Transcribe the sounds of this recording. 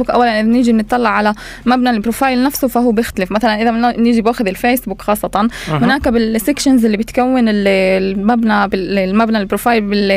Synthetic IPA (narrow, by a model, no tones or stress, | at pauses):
ukʔa̰wːalanʔɪðanɪʒimnɨt̪ˤːɑlːɑʕala | mabnalpːɾofaːjɪlnafsʊfaɦuːbjɪxt̪alɪfmaθalanʔɪðanɪʒibaːxʊðɪlfeːsbuːkxɑːsˤːɑt̪ɑnhʊnaːkabɪlsekʃɪnzʔɪlːibɪt̪kawːɪnɪlmabnabɪlmabnalbɾofaːjɪlbɪl